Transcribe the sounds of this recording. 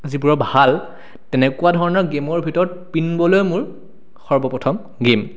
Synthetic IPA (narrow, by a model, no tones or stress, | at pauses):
zibuɹɔbʱal | tɛnɛkʊwadʱɔɹɔnɔɹɡemɔɹbʱitɔɹɔt̚pinbɔlojmʊɹ | xɔɹbɔpɔtʰɔm | ɡem